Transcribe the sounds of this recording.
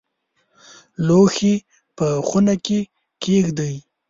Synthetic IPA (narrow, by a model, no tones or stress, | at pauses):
loxi | pəxunake | kexd̪əj